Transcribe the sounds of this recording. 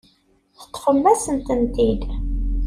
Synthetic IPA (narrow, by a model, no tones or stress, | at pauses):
θə̥t̪ːˤfəmːæsənt̪ənt̪id̪